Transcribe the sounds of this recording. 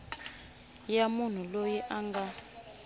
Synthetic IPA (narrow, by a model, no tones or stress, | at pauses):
jamun̤ulojiʔaŋɡa